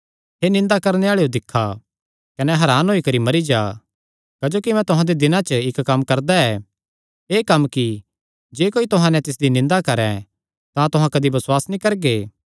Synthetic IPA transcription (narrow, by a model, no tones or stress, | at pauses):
ɦeːnɪ̃nd̪akɐɾneaːɭejod̪ɪkʰːa | kɐnɛɦɐɾaːnɦoːikɐɾimɐɾid͡ʒaː | kɐd͡ʒoːkimɛ̃t̪ʊɦãd̪ed̪ɪnãt͡ʃəɪkːɐmkɐɾd̪aɛː | eːkɐmːki | d͡ʒeːkoːit̪ʊɦãnɛ̃t̪ɪs̬d̪inɪ̃nd̪akɐɾɛ̰̃ | t̪ãt̪ʊɦãkɐd̪ibɐswaːsnĩːkɐɾɡeː